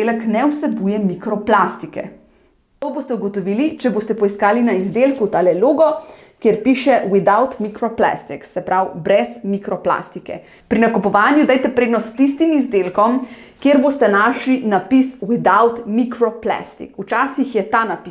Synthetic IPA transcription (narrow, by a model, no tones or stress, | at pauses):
elɛknɛwsɛbuːjɛmikɾɔplast̪ikɛ̰ | t̪oboːst̪ɛuɡɔt̪ɔʋiːlit͡ʃɛboːst̪ɛpɔiskaːlinaizd̪eːlkut̪alɛloːɡɔ | kjeɾpiːʃɛwid̪awt̪mikɾɔpla̰st̪iksɛpɾawbɾɛsmikɾɔpla̰st̪ikɛ̰ | pɾinakɔpɔʋaːnjud̪ajt̪ɛpɾeːd̪nɔst̪t̪ist̪imizd̪elkɔm | kjeɾbost̪ɛnaːʃlinapiswid̪awt̪mikɾɔpla̰st̪ḭkut͡ʃaːsixjɛt̪anapi